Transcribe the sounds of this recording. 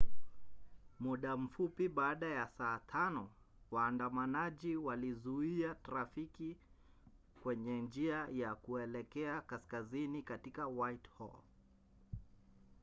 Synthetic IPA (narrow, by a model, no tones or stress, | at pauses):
muɗam̩fupiɓaːɗajasaːtʰanɔ | waːndamanaʄiwalizuiataɾafiki | kwɛɲɛnd͡ʒiajakuɛlɛkɛakaskazinikatikawajthɔ̰l